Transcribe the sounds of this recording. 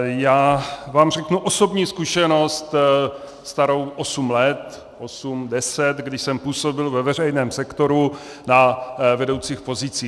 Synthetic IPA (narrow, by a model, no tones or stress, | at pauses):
jaːvaːmrɛknuʔoso̞bɲiːskuʃɛno̞st̪ | st̪aɾo̞wʔosumlɛt̪ | ʔosumdɛsɛt̪ɡdɪʃsɛmpuːso̞bɪlvɛvɛr̝ɛjnɛːmsɛkt̪o̞ɾu | navɛdo̞wt͡siːxpo̞zɪt͡siː